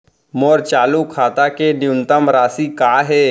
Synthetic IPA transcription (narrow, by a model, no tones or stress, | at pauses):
moːɾt͡ʃaːlukʰaːt̪akenɪʊnt̪əmɾaːsikaːɦɛː